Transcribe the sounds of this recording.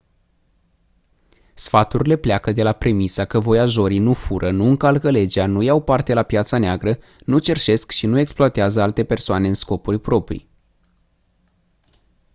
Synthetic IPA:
sfat̪uɾʲile̞pleakəd̪e̞lapɾe̞misakəvo̞jaʒo̞ɾinufuɾʔənuɨŋkalkəle̞d͡ʒanujawpart̪e̞lapjat̪saneaɡɾə | nut͡ʃe̞rʃe̞skʃinue̞ksploat̪eazəalt̪e̞pe̞rsoane̞ɨnsko̞purʲpɾo̞pɾḭj

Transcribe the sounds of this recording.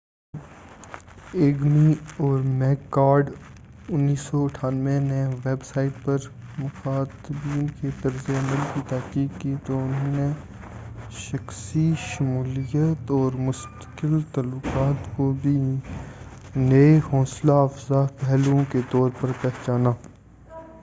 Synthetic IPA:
eːɡmiɔːɾmɛːkːaːɾɖ | ʊnːiːsːɔɐʈʰaːnʋẽneʋeːbsaːɪʈ̚pɐɾmʊxaːt̪biːõnket̪ɐɾzeɐməlkit̪ɛɦkiːɡkit̪oʊnɦõne | ʃɐxsiʃɐmuːlijət̪ɔːɾmʊst̪ə̥qɪlt̪aːlːʊkaːt̪kobʱi | neeɦɔːslaːfzapɛɦlõket̪ɔːɾpɐɾpɛɦt͡ʃaːnaː

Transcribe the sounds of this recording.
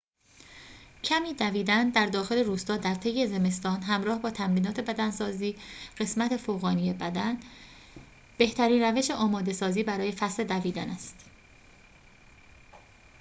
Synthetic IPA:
cʰæmiːd̪æviːd̪ænd̪æɾd̪ɒːxe̞le̞ɾuːst̪ɒːd̪æɾt̪ʰe̞je̞ze̞me̞st̪ɒːnɦæmɾɒːhbɒːt̪ʰæmɾiːnɒːt̪ʰe̞bæd̪ænsɒːziːɢ̥e̞smæt̪ʰe̞foːɣɒːnijebæd̪æn | b̥e̞ht̪ʰæɾiːnræve̞ʃe̞ʔɒːmɒːd̪e̞sɒːziːbæɾɒːje̞fæsle̞d̪æviːd̪ænæst̪

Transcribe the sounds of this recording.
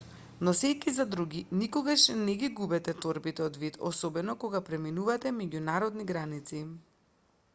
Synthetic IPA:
nɔsɛkizad̪ɾuɡinikoɡaʃnɛɡʲiɡubɛt̪ɛt̪ɔɾbit̪ɛɔd̪vit̪ɔ̰sɔbɛnɔkoɡapɾɛminuvat̪ɛmɛɟunaɾɔd̪niɡɾanit̪si

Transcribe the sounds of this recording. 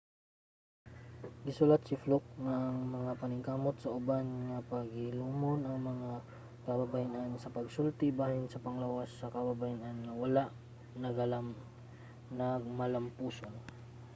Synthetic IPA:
ɡɪsʊlat̪sɪflok̚ŋaʔɐŋmɐŋapɐnɪŋkaːmot̪̚sɐʔʊbanŋɐpɐɡɪluːmonʔɐŋmɐŋa | kɐbɐbajanʔansɐpɐɡ̚sult̪ɪbaːhɪnsɐpɐŋlawasːɐkɐbɐbajanʔanːɐwɐlaʔ | nɐɡɐlam | nɐɡ̚mɐlɐmpuːson

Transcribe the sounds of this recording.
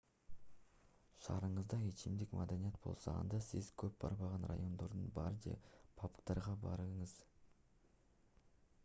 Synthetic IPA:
ʃɑɾəɴəzd̪ɑet͡ʃɪmd̪ɪkmad̪anijet̪b̥o̞̰lˠsɑ̰ɑ̰nd̪ɑsɪzkʲʰɵp̚b̥ɑ̰ɾmɑʁɑnra̰jo̞nd̪oɾd̪ə̰nbɑɾd̪ḛpʰɑpə̥qt̪ɑɾʁɑbɑɾəɴəz̥

